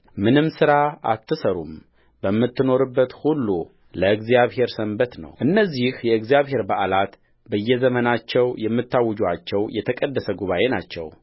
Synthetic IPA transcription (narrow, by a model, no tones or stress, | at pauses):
mɨnɨmsɨɾaa̰t̪ːɨsəɾum | bəmːɨt̪ːɨno̞ɾɨbːət̪hulːu | ləɨɡzijaβhe̞ɾsəmbət̪nə̰wʔɨnːəzːihjɛɨɡzijaβhe̞ɾbaʔlat̪ | bəjːɛzəmənat͡ʃːɛwjɛmːɨt̪ːawːɔd͡ʒuat͡ʃːɛwjɛt̪ʰəkʼəd̪ːəsəɡuβaʔe̞na̰t͡ʃːɛ̰w